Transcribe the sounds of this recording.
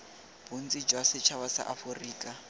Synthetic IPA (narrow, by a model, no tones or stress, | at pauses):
b̥un̩t͡sʼid͡ʒwasɪt͡ʃʰawasa̰ʔafʊriːkʼa